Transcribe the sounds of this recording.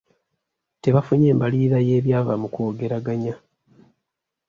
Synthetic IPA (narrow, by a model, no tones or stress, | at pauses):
te̞βafuɲeːmbaliɾaje̞ːβjaːvamukoːɡe̞ɾaɡaɲa